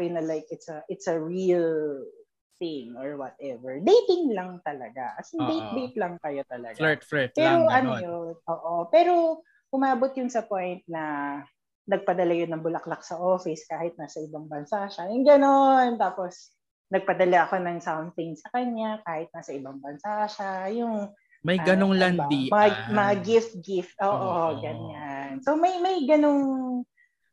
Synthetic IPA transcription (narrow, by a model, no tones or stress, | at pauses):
ɪnɐlajkɪt̪sɐʔɪt̪sɐɹil | θɪŋoɹwɔt̪̚ɛvɛɹd̪ejt̪ɪŋlɐŋt̪ɐlɐɡa̰ʔɐsɐŋd̪ejt̪̚d̪ejt̪lɐŋkɐjo̞t̪ɐlɐ̰ɡfɛpɛɾoɐnojonoːʔopɛːɾo̞ | ʔʊmaːʔbot̪̚jʊnsɐpo̞jnt̪̚nɐ | nɐɡ̚pɐd̪ɐlajonːɐŋbʊlɐklak̚sɐʔo̞ːfɪskaːhɪt̪̚nasɐʔɪbaŋbɐnsaʃajʊŋɡɐno̞nt̪aːpo̞s | nɐɡ̚pɐd̪ɐlaʔɐko̞nɐŋsawnθɪŋsɐkɐɲɲakaːhɪt̪̚nasɐʔɪbɐŋbɐnsaʃajʊŋ | mɐjɡɐnoŋland̪imɐŋamɐŋaɡɪft̪̚ɡɪft̪̚ʔoːʔoɡɐnɲansomɐjmɐjɡɐno̞ŋ